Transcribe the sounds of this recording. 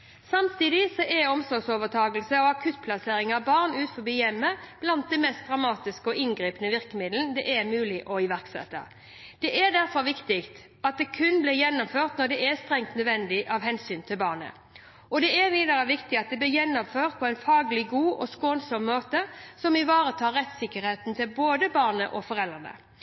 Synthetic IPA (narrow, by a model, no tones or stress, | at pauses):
sɑmt̪ʰiːd̪ɪsɔʔɛɔmsɔɾɡsoːʋət̪ʰɑːɡəlsəɔɑkʰʉt̪̚ːpʰlɑseːɾɪŋɑʋbɑʁnʉːt̪fɔbiːjɛmːəb̥lɑnt̪̚d̪ɛnmɛst̪̚d̪ʁɑmɑːt̪ɪskəɔɪnɡɾiːpənəʋɪʁkəmɪd̪lənd̪ɛʔɛmʉːlɪʔɔɪʋæʁksɛ̰t̪ːə̰ | d̪̥ɛʔɛd̪æʁfɔɾʋɪkt̪ɪkt̪ | ɑt̪̚d̪ɛkʰʉnblɪjɛnːʊmføːʁt̪nɔd̪ɛʔɛst̪ʁɛŋt̪nœd̪ʋɛnd̪ɪʔɑʋɦɛnsyːnt̪ʰɪlbɑːʁnə̰ | ɔd̪ɛæʋiːd̪ɑʁəʋɪkt̪ɪɑt̪̚d̪ɛblɪʁjɛnːɔmføːʁt̪̚pʰɔæɪnfɑːɡlɪɡuːʔɔskoːnsɔmːoːt̪əsɔmɪʋɑːɾət̪ʰɑːɾːɛt̪sɪkːəɾheːt̪nt̪ʰɪlboːd̪əbɑʁnə̰ʔɔfɔʁɛld̪ʁənə̰